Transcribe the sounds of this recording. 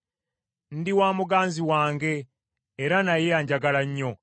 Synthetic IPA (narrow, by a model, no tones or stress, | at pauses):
n̩diwaːmuɡaːnziwaːŋɡe̞ː | ɾanajejaːɲɟaɡalaɲːo̞